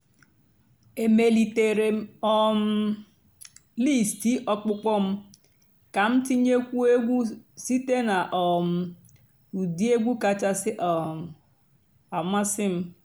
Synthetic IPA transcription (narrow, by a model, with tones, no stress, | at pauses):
e˨me˨li˨te˨ɾe˨˦ɔ˦m̩˦ | li˦˨sti˦ʔɔ˦k͡pʊ˦kɔ˦m̩˦ | ka˨m̩˦ti˦ɲe˦kʷu˦e˦ɡʷu˦si˦te˦na˨ʔɔ˨m̩˨ | u˨di˦e˦ɡʷu˦ka˨t͡ʃa˦sɪ˦ʔ | a˨ma˦sɪ˦m̩˦